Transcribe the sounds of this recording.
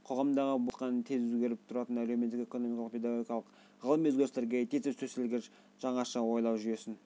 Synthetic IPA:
qʰo̞ʁɑmd̪ɑʁəbut̪qɑnt̪ʰe̞zɵzɡʲe̞ɾɪp̚t̪ʰʊɾɑt̪ənælemeːɪkʲe̞ko̞no̞mikɑlˠəq̚pʰe̞d̪ɑɡoɡʲijɑlˠəq | ʁəlˠəmɵzɡʲe̞ɾɪst̪eɾɡʲet̪ʰezepsɵsɪlɡʲ | ʒ̥ɑɴɑʃɑwo̞jlˠɑwʒyje̞sɪn

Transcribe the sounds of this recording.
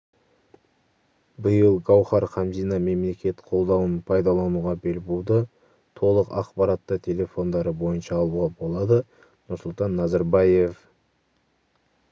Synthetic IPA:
bəjəlˠɡɑwχɑɾχɑmzijnɑme̞mle̞kʲe̞t̪qʰo̞lˠd̪ɑwənpʰɑjd̪ɑlˠɑnuʁɑbe̞lbuwd̪ə | t̪ʰo̞lˠəqɑ̰qpɑɾɑt̪ːət̪ʰe̞lʲe̞fo̞nd̪ɑɾəbo̞jənʃɑːlˠuʁɑbo̞lˠɑd̪ə | nʊɾsʊlˠt̪ɑnːɑzɑɾbɑje̞f

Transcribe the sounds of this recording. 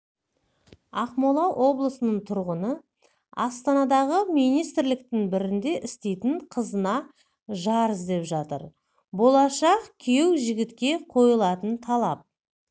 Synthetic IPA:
ɑqmolˠɑwʔo̞blˠəsənəɴt̪ʰʊɾʁənə | ɑst̪ɑnɑd̪ɑʁəmijnijst̪ɪɾlɪk̚t̪ɪŋbɪɾɪnd̪e̞ʔɪst̪e̞jt̪ɪɴqʰəzənɑ | ʒɑɾəzd̪e̞pʒɑt̪ə̰ɾ | bo̞lˠɑʃɑqkʲʰe̞wʒɪɡʲɪt̪kʲe̞qʰo̞jəlˠɑt̪ənt̪ʰɑlˠɑp̚

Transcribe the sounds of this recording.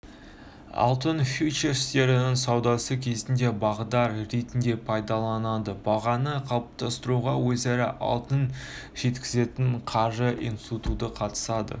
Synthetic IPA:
ɑ̰lˠt̪ənfjut͡ʃeɾst̪e̞ɾɪnɪŋsɑwd̪ɑsəkʲʰe̞zɪnd̪e̞bɑʁəd̪ɑɾːe̞t̪ɪnd̪e̞pʰɑjd̪ɑlˠɑnɑd̪əbɑʁɑnəqʰɑlˠəp̚t̪ʰɑst̪əɾuʁɑwɵzæɾɪʔɑ̰lˠt̪ənʒ̥e̞t̪kʲɪze̞t̪ɪɴqʰɑʒəʔḭjnst̪it̪ut̪əqʰɑt̪ə̥sɑd̪ə̰

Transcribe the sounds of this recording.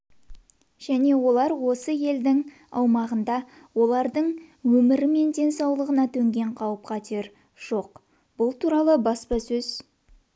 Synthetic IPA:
ʒ̥æne̞wo̞lˠɑɾwo̞səje̞ld̪ɪŋ | ɑ̰wmɑʁənd̪ɑ | wo̞lˠɑɾd̪əɴwɵmɪɾɪme̞nd̪ʲe̞nsɑwlˠəʁənɑt̪ʰɵŋɡʲe̞ɴqʰɑwəp̚qʰɑt̪ʰeɾ | ʒ̥o̞q | b̥ʊlˠt̪ʰuɾɑlˠəbɑspɑsɵz̥

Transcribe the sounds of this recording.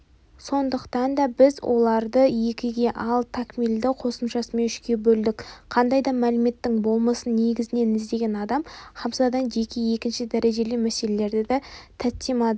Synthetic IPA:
so̞nd̪əqt̪ɑnd̪ɑbɪzwʔo̞̰lˠɑɾd̪əje̞kʲɪɡʲe̞ʔɑlˠt̪ʰɑkmild̪ɪqʰo̞səmʃɑsəme̞nʏʃkʲe̞bɵld̪ɪkqʰɑnd̪ɑjd̪ɑmælɪme̞t̪ːɪŋbo̞lˠmɑsənːe̞ɡʲɪzɪne̞nɪzd̪e̞ɡʲe̞nɑd̪ɑmχɑpsɑd̪ɑnʒe̞kʲeje̞kʲɪnʃɪd̪æɾe̞ʒe̞lɪmæse̞le̞le̞ɾd̪ɪd̪æt̪ʰæt̪ːemɑd̪ə

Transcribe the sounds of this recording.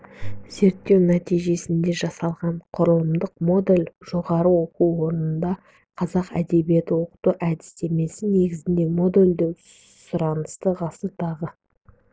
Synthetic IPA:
z̥e̞ɾt̪ːe̞wnæt̪ijʒe̞sɪnd̪e̞ʒɑsɑlˠʁɑɴqʰʊɾəlˠəmd̪əq̚mo̞d̪elʲʒo̞ʁɑɾəwo̞quwwo̞ɾnənd̪ɑ | qʰɑzɑqæ̰d̪e̞bije̞t̪ɪwo̞qə̥t̪uʔæd̪ɪ̥st̪e̞me̞sɪne̞ɡʲɪzɪnd̪e̞mo̞d̪e̞lʲd̪ew | sʊɾɑnəst̪əʁɑsət̪ʰɑʁə

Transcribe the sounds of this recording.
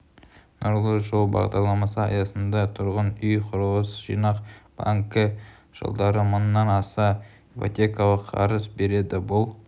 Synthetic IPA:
noɾlˠəʒolˠbɑ̰ʁd̪ɑɾlˠɑmɑsəɑ̰jɑsənd̪ɑt̪ʰʊɾʁənʏjqʰʊɾəwəsʒ̥ḭjnɑqb̥ɑ̰ŋkə | ʒ̥ə̰lˠd̪ɑɾəmʊnːɑnɑsɑ | ipo̰t̪ʲekɑlˠəqʰɑ̰ɾəzbe̞ɾe̞d̪ɪbʊlˠ

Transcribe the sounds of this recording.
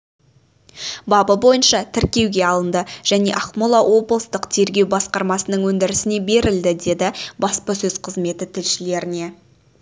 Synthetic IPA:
bɑbəbo̞jənʃɑt̪ʰɪɾkʲe̞wɡʲe̞ɑlˠənd̪əʒ̥æne̞̰ʔɑχmolˠɑwo̞bəlˠəst̪əqt̪ʰe̞ɾɡʲe̞wbɑsqɑɾmɑsənəɴwɵnd̪ɪɾɪsɪne̞be̞ɾɪld̪ɪd̪e̞d̪ɪbɑspəsɵz̥qʰəzme̞t̪ɪt̪ʰɪlʃɪle̞ɾɪne̞

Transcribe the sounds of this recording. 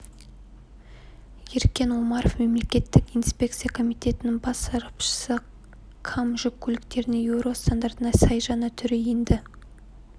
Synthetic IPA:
je̞ɾkʲe̞nwo̞mɑɾofme̞mle̞kʲe̞t̪ːɪkijnspʲe̞k̚t̪sɨjakʰo̞mijt̪e̞t̪ɪnɪŋbɑsɑɾəpʃə̥sə | kʰɑmʒʏk̚ʲʰːɵlɪkt̪e̞ɾɪnɪŋjewɾo̞st̪and̪ɑɾt̪ənɑsɑjʒɑnət̪ʰʏɾɪjend̪ɪ

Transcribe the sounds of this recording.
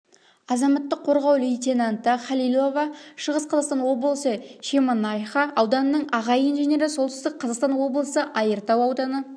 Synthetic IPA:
ɑzɑmɑt̪ːəqʰːo̞ɾʁɑwlʲojt̪ʲenɑnt̪əχɑlijlˠo̞vɑʃəʁəsqʰɑzɑqst̪ɑnwo̞blˠsəʃemɑnɑjχɑɑwd̪ɑnənəɴɑʁɑjinʒene̞ɾɪso̞lˠt̪ɪst̪ɪk̚qʰɑzɑqst̪ɑnwo̞blˠəsəʔɑjəɾt̪ɑwɑwd̪ɑnə

